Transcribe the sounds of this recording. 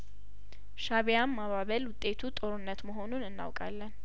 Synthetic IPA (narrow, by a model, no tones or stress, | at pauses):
ʃaβjamːaβaβəlwʊt̪ʼːe̞t̪ʰut̪ʼo̞ɾɨnːət̪məɦo̞nunɨnːa̰wkʼa̰lːən